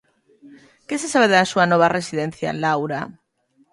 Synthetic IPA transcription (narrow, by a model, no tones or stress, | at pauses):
kesesaβeðasuanɔβ̞aresiðen̟θja̰lawɾa